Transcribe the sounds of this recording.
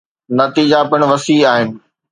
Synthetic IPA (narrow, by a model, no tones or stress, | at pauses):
nɐt̪iːd͡ʑapɪɽ̃ʋɐsiːaːɦɪnɪ̆